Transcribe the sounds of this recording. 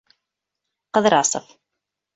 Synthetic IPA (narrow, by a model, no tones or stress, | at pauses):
qəðɾɑ̰sˤə̰f